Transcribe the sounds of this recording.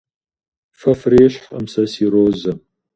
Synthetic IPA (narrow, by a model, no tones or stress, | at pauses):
fɐfreːɕħɐ̰msɐsiɾoːzɐm